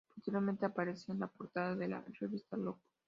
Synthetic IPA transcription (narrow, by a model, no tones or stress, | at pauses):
pot̪eɾjo̞ɾment̪eapaɾeseːnlapo̞ɾt̪aðaðela̰reβist̪aloko̥